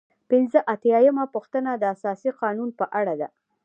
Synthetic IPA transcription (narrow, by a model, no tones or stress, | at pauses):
pɪnzəʔat̪jajəmapuxt̪ənad̪əasɑsiqɑnunpəʔaɽad̪a̰